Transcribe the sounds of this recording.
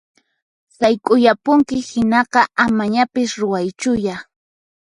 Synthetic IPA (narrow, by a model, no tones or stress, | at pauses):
sajkʼʊjapʊŋkɪhɪnɑqɑamaɲapɪsɾʊwajt͡ʃʊja